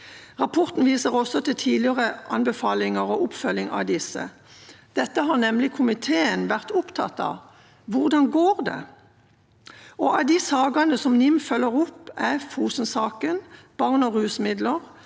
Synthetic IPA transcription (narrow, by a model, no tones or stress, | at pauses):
ʁɑpʰɔʁt̪n̩ʋiːsəʁɔsɔt̪ɪlt̪ʰiːd̪lɪəʁəʔɑ̰nbɛfɑːlɪŋəʁoʔʊpfœlːɪŋɑ̰d̪ɪsə̰ | d̪̥ɛt̪ːəɦɑʁnɛmlɪkʰʊmɪt̪ʰeːənʋæʁt̪ʊpt̪ʰɑt̪ːɑ̰ | ʋʊʁd̪ɑnɡoːʁd̪ɛ̰ | ʔɔɑd̪isɑːɡɑnəsɔmnɪmfœlːəʁʊpːæfuːsənsɑːkənb̥ɑʁnɔʁʉːsmɪd̪ləʁ